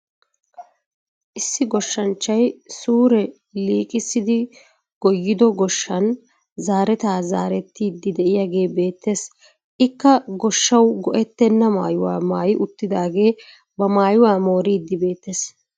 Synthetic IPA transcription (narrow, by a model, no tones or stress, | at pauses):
ʔɪsːɪɡɔʃːɐnt͡ʃːɐjsuːɾɛ | liːkʼɪsːɪd̪ɪ | ɡ̥ɔjːɪd̪ɔɡɔʃːɐn | zaːɾɛt̪aːzaːɾɛt̪ːiːd̪ːɪd̪ɛʔɪjaɡe̞ːbe̞ːt̪ːeːs | ʔɪkːɐɡɔʃːɐwɡɔʔɛt̪ːɛnːɐma̰ːjʊwa̰ːmaːjɪʔʊt̪ːɪd̪aːɡe̞ː | bɐmaːjʊwaːmo̞ːɾiːd̪ːɪbe̞ːt̪ːeːs